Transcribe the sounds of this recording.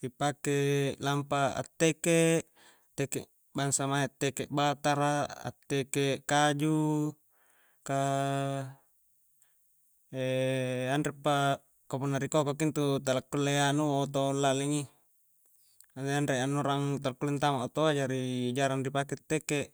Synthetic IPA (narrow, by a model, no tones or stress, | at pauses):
dipakelampaa̰t̪ːekeʔ | t̪ekḛʔ | baŋsamaeat̪ːekeʔbat̪aɾaa̰t̪ːekeʔkad͡ʒu | ka | eandɾepːa | kapunːaɾikokokint̪ut̪alakːulːeanuwat̪olːaliŋi | adeandɾeanːuɾaŋt̪alkːulint̪amaot̪oad͡ʒaɾiːd͡ʒaɾandipaket̪ːekeʔ